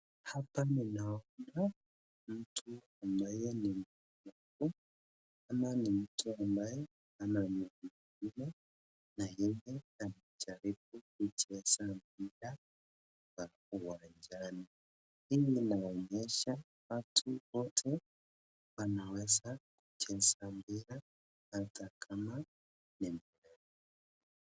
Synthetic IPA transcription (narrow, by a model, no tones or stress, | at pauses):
hapaninaona | m̩tʰuambajenimu | naku | ananim̩tʰuambaje | anaɲuɲi | ina | najejeanat͡ʃaɾibukud͡ʒiɛsamiɾa | wa | uwand͡ʒani | hijinaɔɲɛʃa | watʰuwɔtʰɛ | wanawɛzakut͡ʃɛsambiɾa | hatʰakʰama | nimbuɾɛn